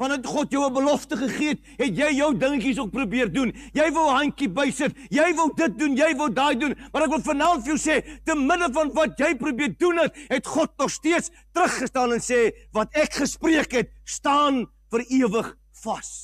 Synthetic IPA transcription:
fɐnətχɔtjəwəbəlɔftəχəχiət̚ | ɦɛtjɛjːəwdəŋkis̬uək̚prubiərdunjɛjvəlɦɐŋkibɛjsətjɛjvəlˠdət̚dunjɛjvəlˠdɑːjdunmɐɾɛkvəlˠfənɑːntfəjəwsɛːtənmədəfɐnvɐtjɛjpɾubiər̚dunɦɛt̚ɦɛtχɔt̚nɔχstiəts | tɾəχːəstɑːnɛnsɛːvɐtækχəspriəkɦɛt̚stɑːn | fəɾiəvəχ | fɐs

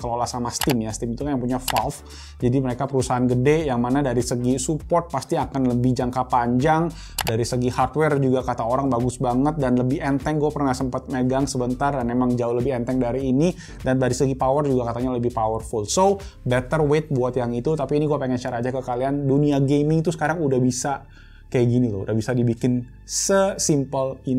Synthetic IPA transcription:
kəlolasamast̪ɪmjast̪ɪmit̪ukajaŋpuɲafalf | d͡ʒadiməɾekapəɾusaɦanɡədɛjaŋmanadaɾisəɡisupɔrt̪̚past̪iakanləbɪhd͡ʒaŋkapaɲd͡ʒaŋ | daɾisəɡihart̪wɛrd͡ʒuɡakat̪aoɾaŋbaɡʊsbaŋət̪̚danləbɪhɛnt̪ɛŋɡuapərnahsəmpat̪̚məɡaŋsəbənt̪ardanmemaŋd͡ʒauhləbɪhɛnt̪ɛŋdaɾiːni | dandaɾisəɡipawərd͡ʒuɡakat̪aɲaləbɪhpawərfulso | bɛt̪ərwet̪̚buat̪jaŋit̪ut̪apiːniɡuapeŋɛnt͡ʃaɾad͡ʒakəkalianduniaɡemɪŋt̪usə̥kaɾaŋudahbisa | kajaɡinit̪uudahbisadibikɪn | səsimpəlin

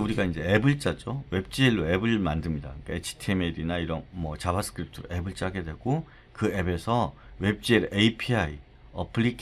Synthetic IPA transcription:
uɾiɡaind͡ʑe̞ebɯɭt͡ɕ͈ad͡ʑowe̞p̚t͡ɕ͈ieɭːoe̞bɯɭmandɯmɲida̰ɯik͈aet͡ɕʰi̥tʰemedinaiɾʌnmʌt͡ɕabasʰɯ̥kʰɯɾip̚tʰɯɾoʔe̞bɯɭt͡ɕ͈aɡe̞dwe̞ɡo | kɯe̞be̞sʰʌ | we̞p̚t͡ɕ͈ieɾʔeipʰiai | ʌpʰɯɭikʰ

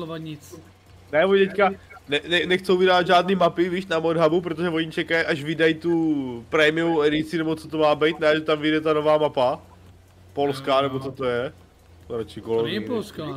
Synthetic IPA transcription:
ovaɲɪt͡s | nɛvoɲt̪ɛckanɛnɛnɛxt͡sowvɪdaːad̪ʒaːdniːmapɪviːʃnamodɦabup̬ɾot̪oʒɛvo̞ɲit͡ʃɛkajʔaʒvɪdajt̪upɾɛmɪuwɛdɪt͡sɪnɛbo̞t͡sot̪omaːbɛjt̪nɛʒɛt̪amvɪdɛt̪ano̞vaːmapa | po̞lskanɛbot͡so̞t̪o̞jɛ | ɾat͡ʃikolonɛipolska

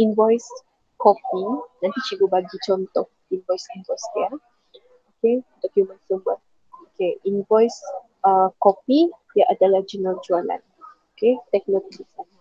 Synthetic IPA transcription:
ʔinvɔjs | kɔpinãnt̪it͡ʃiɡubaɡit͡ʃɔnt̪ɔh̚ | invɔjsinvɔjstia | okedɔkjumə̃nsəmat̪ | okeʔinvɔjs | əkɔpidiaʔadalahd͡ʒunəld͡ʒualã̰n | oket̪ɛk̚nokd͡ʒisan

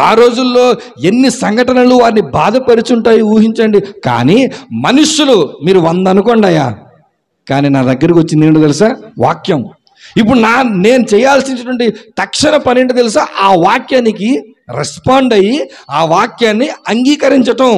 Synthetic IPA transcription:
aːɾo̞ːd͡ʒulːo̞ː | e̞nːisɐŋɡʱɐʈɐnɐluʋaːɾinibaːd̪ɐpɐɾit͡ʃuɳʈaːjiuːɦiɲt͡ʃɐɳɖika̰ːnimɐnuʂulumiːɾuʋɐnd̪ɐnukɔːɳɖaːja̰ː | kaːniːnaːd̪ɐɡːɐɾikiʋot͡ʃːind̪iːɳʈɐt̪elis̬aːʋa̰ːkjɐm | ip̬ːuɽunaːne̞ːnut͡ʃɛːjaːlsinɐɐʈʋɐɳʈit̪ɐkʂɐnɐpɐneɳʈɐt̪̬elis̬aːʔaːʋaːkjaːnik̬i | ɾespaːɳɖɐjiaːʋaːkjaːnːiɐŋɡiːkɐɾiɲt͡ʃɐʈɐm

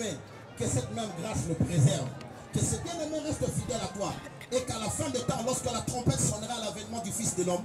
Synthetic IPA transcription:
ve | kəsɛt̪mɛ̃mɡʁãʃləpχezɛʁv | kəsɛbjɛ̃nɛmɛ̃ʁɛst̪əfid̪ɛlat̪wa | ekalafɛ̃d̪et̪ɑ̃lɔʁskəlat̪ʁɔ̃pɛt̪sɔnʁalavɛnmɑ̃d̪yfisd̪əlɔm

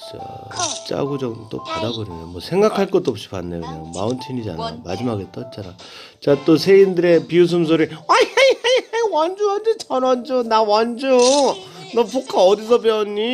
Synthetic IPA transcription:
t͡ɕʌ̰ | t͡ɕ͈a̰ɡud͡ʑʌɡt͈o̰padabʌɾinomwʌsʰe̞ŋɡakʰaɭk͈ʌt͈oʌp̚ɕ͈i̥pa̰nːejonema̰unt͡ɕʰiɲid͡ʑa̰na̰mad͡ʑimaɡet͈ʌt͡ɕ͈aɾa̰ | t͡ɕat͈osʰe̞indɯɾe̞pius̬ʰɯms̬ʰoɾiajejejejwand͡ʑuandet͡ɕʌnʌnd͡ʑunawand͡ʑu | nʌpokʰaʌdisʰʌpeʌɲːi

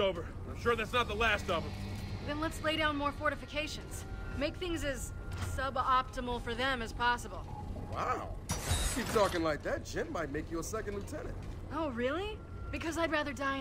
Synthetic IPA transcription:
oʊvə˞ | ãɪ̃mʃʊɹðætsnət̪̚ðəlæstʌvə̃mðɨ̃nlətsleɪɾãʊ̃nmɔɹfɔɹɾɨfɨkʰeɪʃɨ̃nz̥meɪk̚θɪ̃ŋzɨz̥ | sʌbɑp̚təml̩ˠfə˞ðɨ̃mɨz̥pʰɑsəbl̩ˠ | wa̰ʊkʰip̚tʰɔkɪ̃ŋlaɪk̚ðæt̚d̥ʒ̥ɪ̃nmaɪt̚meɪkjɨəsɛkɨ̃n̩dlutʰɛnɨ̰̃nt̚ | oʊɹɪlˠi | b̥ɨkʰʌzaɪd̚ɹæðə˞dãɪ

